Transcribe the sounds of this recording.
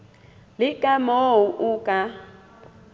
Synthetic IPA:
lɪkʼamouʔukʼa

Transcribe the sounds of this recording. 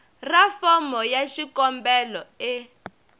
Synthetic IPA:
rafɔmɔjaʃikɔmbɛlɔɛ

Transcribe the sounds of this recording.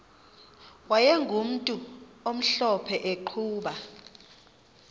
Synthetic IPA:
wajɛŋɡʱum̩tʼuom̩ɬɔpʰɛʔeǃʰuːɓa

